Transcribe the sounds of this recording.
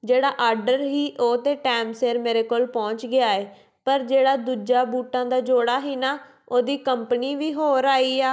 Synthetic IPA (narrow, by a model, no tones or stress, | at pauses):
d͡ʒeːɽaːʔaːɾɖəɾɦiːʔoːt̪eːʈɛːmseːɾmeːɾeːkoːlpɔ̃ːɲt͡ʃɡɪaːeː | pəɾd͡ʒeːɽaːd̪uːd͡ʒaːbuːʈãːd̪aːd͡ʒoːɽaːɦiːnaː | oːd̪iːkəmpniːʋiːɦoːɾaːiːaː